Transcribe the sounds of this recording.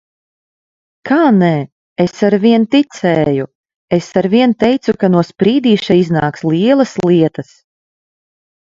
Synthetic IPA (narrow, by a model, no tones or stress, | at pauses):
kʰaːnɛː | esaɾviɛnt̪it̪sɛːju | esaɾviɛnt̪ɛjt̪sukanuɔspɾiːd̪iːʃaiznaːkslˠiɛlˠɐsliɛt̪ɐs